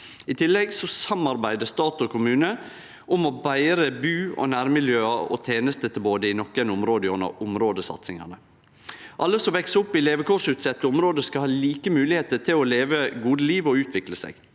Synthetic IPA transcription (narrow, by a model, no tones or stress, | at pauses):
ɪt̪ʰɪlːɛɡsɔsɑmɑɾbæɪd̪əst̪ɑːt̪ɔkʰʊmʉːnə | ʔʊmɔbæɪɾəbʉːɔ̰næːɾmɪljøːɑɔ̰t̪ʰeːnəst̪ət̪ʰɪlboːd̪əɪnɔkːənʊmɾoːd̪əɔnə̰ɾʊmɾoːd̪əsɑ̰t̪sɪŋɑ̰nə | ʔɑlːəsɔmʋɛksʊpːɪleːʋəkʰɔʂʉːt̪sɛt̪ːəʊmɾoːd̪əskɑlhɑːliːkəmʉːlɪheːt̪əʈʰɪlɔleːʋəɡuːd̪əliːʋɔʉːt̪ʰʋɪkləsɛ̰ɡ